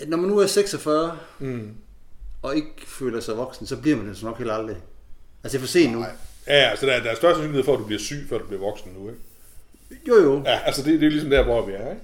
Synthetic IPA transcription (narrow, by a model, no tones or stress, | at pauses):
nɒmænːuæɐseɡ̥sɒfɶːɐ | ɒ̽e̝ɡ̥fø̰ːlɐsɑ̈ɪʋɒ̽ɡ̥sn̩sɒ̽b̥liɐmænd̥ensɒnɒ̽ɡ̥he̝̰ːld̥ɑld̥ʁiælsə̥ifɒse̝̰ːnnujæælsəd̥æɐd̥ææɐsɶɐsœnsyniheðˠfɒæd̥ub̥liɐsy̰ːfɶɐd̥ub̥liɐʋɒ̽ɡ̥sn̩nueɡ̥ | jo̝joæʔælsəd̥e̝d̥e̝olisɒmd̥æɐʋɒʋiæɐeɡ̥